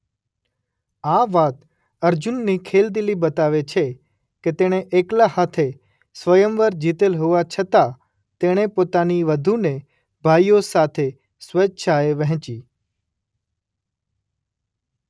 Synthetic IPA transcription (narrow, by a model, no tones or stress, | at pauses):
aʋat̪ | əɾd͡ʒunːikʰeld̪ilibət̪aʋet͡ʃʰe | ket̪eɽ̃eʔeklahat̪ʰe | sʋəjəmʋəɾd͡ʒit̪elɦoʋat͡ʃʰət̪a | t̪eɽ̃epot̪aniʋəd̪ʱune | bʱaijosat̪ʰe | sʋətːʃʰaeʋəɦt͡ʃi